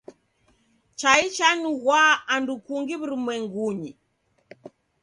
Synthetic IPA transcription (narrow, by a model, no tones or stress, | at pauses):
t͡ʃait͡ʃanuɣwaːndukuŋɡiβuɾumwɛŋɡuɲi